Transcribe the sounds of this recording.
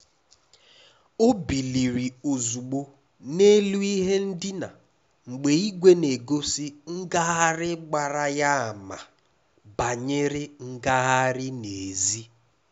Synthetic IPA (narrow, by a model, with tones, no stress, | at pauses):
o˦bi˨li˨ɾi˨o˨zu˨ɡ͡bo˨ | ne˦lu˦i˦ɦe˦n̩˦dɪ˦na˨ | ŋ͡m̩˨ɡ͡be˨i˦ɡʷe˦ne˨ɡo˦si˦ŋ̩˦ɡa˦ɦa˦ɾɪ˦ɡ͡ba˨ɾa˦ja˦a˨ma˨ | ba˨ɲe˦ɾɪ˦ŋ̩˦ɡa˦ɣɦa˦ɾɪ˦ne˨zi˦